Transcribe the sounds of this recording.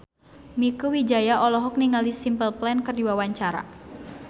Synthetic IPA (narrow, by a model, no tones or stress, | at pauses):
mikuwid͡ʒajaʔɔlɔɦɔk̚niŋalisimpəlplɛnkərdiwawaɲt͡ʃaɾa̰